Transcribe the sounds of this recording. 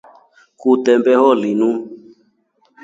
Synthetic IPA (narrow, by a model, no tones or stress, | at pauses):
kutɛmbɛhɔlinũ